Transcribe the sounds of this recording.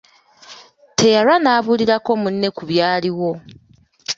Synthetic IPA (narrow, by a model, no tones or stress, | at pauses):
tʰe̞jaɾanaːβuliɾako̞munne̞kuβjaːliwo̞